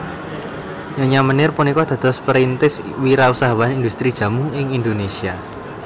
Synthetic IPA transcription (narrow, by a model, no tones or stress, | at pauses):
ɲoɲamənɪrpunikɔd̪̥ä̤d̪̥ɔ̤spəɾint̪ɪs | wiɾausaɦawaanind̪ust̪ɾid̥ʒ̥a̤mʊŋɪŋind̪onesia